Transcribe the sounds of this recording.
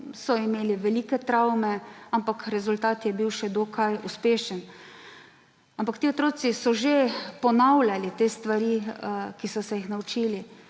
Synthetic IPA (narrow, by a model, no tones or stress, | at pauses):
sɔimeːliʋɛliːkɛt̪ɾawmɛampakɾɛzult̪aːt̪jɛbiwʃɛd̪oːkʰajuspeːʃən | ampakt̪iːot̪ɾoːt̪sisɔʒepɔnawlʲjalit̪eːst̪ʋaɾikisɔsɛjixnaut͡ʃiːli